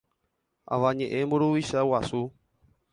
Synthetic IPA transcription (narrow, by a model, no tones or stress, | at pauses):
a̰vaɲẽʔembuɾuwiʃawasu